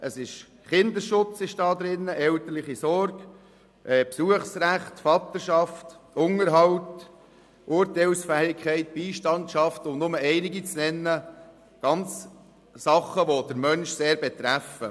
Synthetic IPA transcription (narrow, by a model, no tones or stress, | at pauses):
ʔəsɪʃ | χɪnd̪əʃʊt͡sɪʃd̥ɑːd̪ɾɪnːəʔɛltəɾlɪχisɔɾɡ̥ | ʔɛːpsuəχsræχtfɑt̪əʃɑftʊŋəɾɦɑwt | ʔʊɾtɛɪlsfæːɪkʰɛɪt̚b̥iːʃtɑntʃɑftʊmnʊməɛɪnɪɡit͡snɛnːə | ɡ̥ɑnt͡s | sɑχəʋod̥əɾmœnʃseːɾbɛt̪ɾæfə̰